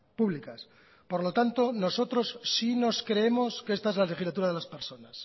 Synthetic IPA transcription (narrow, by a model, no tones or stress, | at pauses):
puβlikas | po̞ɾlo̞t̪ant̪o̞no̞so̞t̪ɾo̞sːino̞skɾe̞emo̞skest̪ae̞zlale̞xizlat̪uɾaðelaspe̞ɾso̞nas